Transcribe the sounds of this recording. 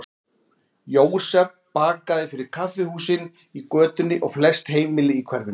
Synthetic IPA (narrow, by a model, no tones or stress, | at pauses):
joːwsɛpːaːkaðɪfɪɾɪɾ̥kʰafɪhuːsɪn | ikœːt̪ʏnːɪʔɔɣflɛst̪heːjmɪlɪikʰvɛɾvɪn